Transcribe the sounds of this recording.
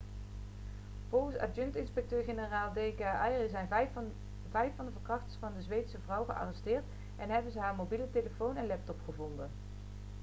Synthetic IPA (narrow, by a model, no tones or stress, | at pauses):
v̥ɔlˠχənsa̰d͡ʒɵntɪnspɛk̚tøːɹχenəraːlˠdejkaːʔɑjrizɛjn | vɛjfɑndəvəɹkrɑχtə̥ɹsfɑndəzʋejtəsəvrʌwχəʔɑ̰ːrɛstɪːɹt | ʔɛnɦɛbənzəɦaːɹmowbiləteləfownɛnlɛp̚tɔpχəvɔndən